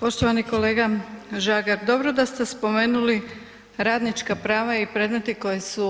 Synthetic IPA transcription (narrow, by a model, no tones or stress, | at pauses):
po̞ʃt̪oʋaniko̞le̞ːɡaʒaːɡaɾd̪o̞bɾod̪ast̪e̞spo̞me̞ːnuli | ɾaːd̪nit͡ʃkapɾaːʋaipɾed̪me̞t̪iko̞jesu